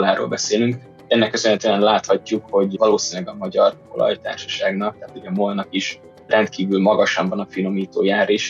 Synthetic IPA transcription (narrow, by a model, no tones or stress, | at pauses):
laːɾo̰ːlbɛseːlyŋk | ɛnːɛkːøsønɛt̪eɛnlaːt̪hɒcːukho̞ɟvɒloːsinlɛɡɒmɒɟɒro̞̰lɒ̰jt̪a̰ːrʃɒ̥ʃaːɡnɒk̚t̪aːt̪huɟɛmolnɒkiʃ | rɛnt̪kiːvylmɒɡɒʃɒmbɒnɒfino̞miːt̪oːjaːɾeːʃ